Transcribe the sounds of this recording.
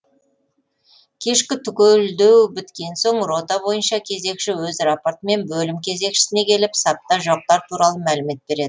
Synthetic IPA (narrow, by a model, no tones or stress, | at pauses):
kʲʰe̞ʃkʲɪt̪ʰʏkʲeld̪e̞wbɪt̪kʲe̞nso̞ɴro̞t̪ɑbo̞jənʃɑkʲʰe̞ze̞kʃɪwɵzraport̪əme̞nbɵlɪmkʲʰe̞ze̞kʃɪ̥sɪne̞kʲʰe̞lɪpsɑp̚t̪ːɑʒoq̚t̪ɑɾt̪ʰuɾɑlˠəmælɪme̞t̪̚be̞ɾe̞d̪ɪ